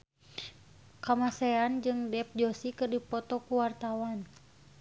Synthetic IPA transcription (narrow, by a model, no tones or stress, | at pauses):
kamasɛand͡ʒɨŋdɛp̚d͡ʒɔsikɨrdipɔt̪ɔkuwart̪awan